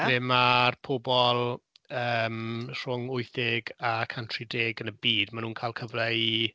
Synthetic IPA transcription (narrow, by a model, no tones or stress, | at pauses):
ɪmarpʰobɔlˠəːmr̥ʊŋʊɨθɪɡakʰantʰrideːɡənəbiːdmanuːnkʰaːlˠkʰəvlɛi